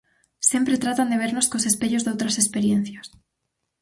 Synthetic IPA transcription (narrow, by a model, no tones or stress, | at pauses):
sjempɾet̪ɾat̪and̪eβ̞eɾnoskosespeʎozðowt̪ɾasespeɾjẽn̟θjas